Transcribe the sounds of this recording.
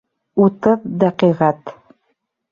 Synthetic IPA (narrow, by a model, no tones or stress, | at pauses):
ut̪ɤðd̪æqiʁæt̪